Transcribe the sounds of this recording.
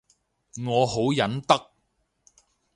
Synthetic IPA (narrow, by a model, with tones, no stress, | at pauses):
ŋɔː˨˧ɦo˨˥wjɐ˨˥nt̪ɐ˥k̚